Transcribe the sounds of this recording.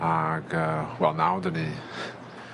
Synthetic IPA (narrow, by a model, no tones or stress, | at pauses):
aɡəːwɛlˠnawdəni